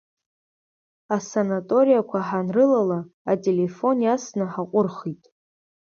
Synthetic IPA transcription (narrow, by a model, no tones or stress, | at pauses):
asanatʼo̞ɾijakʷʰaħanrɨlalaːtʼe̞le̞fo̞njasnɨħaqʷʼʊrχitʼ